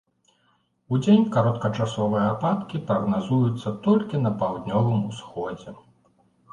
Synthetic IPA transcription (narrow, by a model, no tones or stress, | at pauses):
ud͡zʲenʲkaɾɔt̪̚kɐt͡ʂasɔvɨjɐapat̪kʲipɾɐɣnazujut̪sːɐt̪ɔlʲkʲinɐpawd̪ʲnʲɔvɨmusxɔd͡zʲɛ